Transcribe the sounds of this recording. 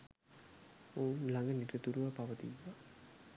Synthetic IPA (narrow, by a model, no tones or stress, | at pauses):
oːnlaŋɡəniʈət̪uɾuʋapaʋət̪iʋːa